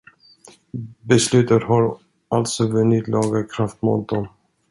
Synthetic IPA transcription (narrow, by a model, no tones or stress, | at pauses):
bɛslʉ̟ːt̪ət̪ɦaɾ | alt̪sɔvɵnɪt̪lɑːɡəkʰɾaft̪mṵːt̪̚d̪ɔm